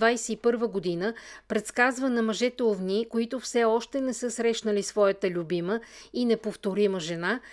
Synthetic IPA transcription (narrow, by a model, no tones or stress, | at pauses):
vajsɛipɤɾvəɡod̪inəpɾɛt̪skazvənɐmɐʒɛt̪ɛovnʲikoit̪ʊfsɛɔʃt̪ɛnɛsɤsɾɛʃnəlisvɔjət̪əlʲubiməinɛpoft̪oɾiməʒɛna